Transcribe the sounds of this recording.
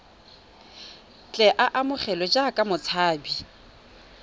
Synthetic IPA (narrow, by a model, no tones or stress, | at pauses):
t͡ɬʼɛʔaʔamʊχɛlɔd͡ʒakʼamʊt͡sʰaːbi